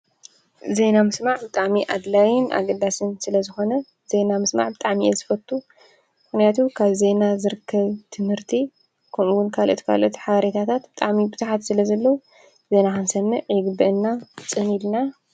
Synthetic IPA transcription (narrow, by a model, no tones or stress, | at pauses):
ze̞namɨsmaʕbɨt̪ʼaʕmiʔad̪lajɪnʔa̰ɡɐd̪asɨnsɨlɐzɨxo̞nɐ | z̥e̞namɨsma̰ʕbɨt̪ʼaʕmiʔezɨfɐt̪ʼːu | mɨxnijat̪ʰukʰaβze̞nazɨɾɨkʰːɐβt̪ʰɨmhɨɾt̪ʰi | kʰomuwʊnkʰalʔo̰t̪kʰa̰lʔot̪ħaβɐɾet̪ʰat̪ʰat̪bɨt̪ʼaʕmibɨzuħat̪sɨlɐzɐlːɐwu | ze̞naxansɐmːɨʕiɡbɨʔɨnːat͡sʼɨnilna